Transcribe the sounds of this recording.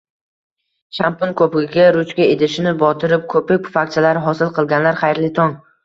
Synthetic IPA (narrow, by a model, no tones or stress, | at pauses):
ʃampʊnkʰɵpɪɡʲɪɡʲaɾʊt͡ʃkʲaed̪ɪʃɪnɪbɒt̪ʰɪɾɪp̚kʰɵpɪk̚ʲfak̚ʲt͡ʃʰalaɾɦɒsɪlˠqɨlˠɡʲanlaɾχajɾlɪt̪ʰɒŋ